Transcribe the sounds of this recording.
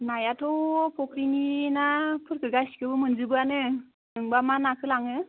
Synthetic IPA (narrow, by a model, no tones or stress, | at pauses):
najatʰɔpʰɔkɾininapʰɯɾkʰɯɾɡajskʰɯbɯmɯnzɯbɯanɯ | nɯŋbamanakʰɯlaŋɯ